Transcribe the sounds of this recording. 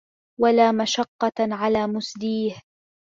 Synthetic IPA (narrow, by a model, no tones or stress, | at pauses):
walaːmaʃɑqːɑʕalaːmʊsliːh